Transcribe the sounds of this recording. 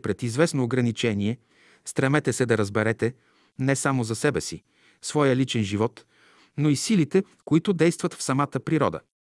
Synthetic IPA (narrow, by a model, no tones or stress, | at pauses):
pɾɛt̪izvɛsnoːɡɾɐnit͡ʃɛniɛ | st̪ɾɐmɛt̪ɛsɛd̪ɐɾəzbɛɾɛt̪ɛ | nɛsamozɐsɛbɛsḭ | svɔjəlit͡ʃɛnʒivɔt̪ | noisilit̪ɛ | koit̪ʊd̪ɛjst̪vɐt̪fsɐmat̪əpɾiɾɔ̰d̪ə̰